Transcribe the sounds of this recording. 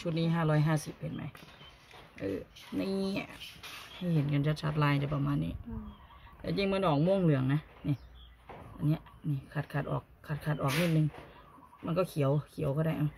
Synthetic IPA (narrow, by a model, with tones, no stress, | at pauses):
t͡ɕʰu˧˦t̪̚niː˧˥˩ɦaː˧˩˨ɾɔː˧˥jɦaː˧˥˨si˨˦p̚he˨˦nma̰˧˦j | ʔɯ̰ː˧˩ni˧˨˧a˧˩ha˧˩jhe˨˦nka˧˨nt͡ɕʰa˧t̪̚t͡ɕʰa˧t̪̚laː˧˩jta˧˩pa˧maː˧˥˨nːiː˧˩ | lɛ̰˧˩t͡ɕi˧˥˨ŋmɯ˧˥˨nhɔː˨˦ŋ̚moː˧˥˨ŋlɯ˨˩˦əŋna˧˥ | ni˧˩ | ʔa˧˨nːi˦˥ɐ˨ʔniː˧˩kʰa˧t̪̚kʰa˧˩t̪̚ʔɔː˨˩kʰːa˧˩t̪̚kʰa˧˩t̪ʔɔː˨˩k̚ni˧˥t̪̚nɯ˧ŋ | ma˧˥˨nkɔː˧˩kʰi˨˦əwkʰi˨˦wkɔː˧˩ɾa˧˩˨ʔa˧˩w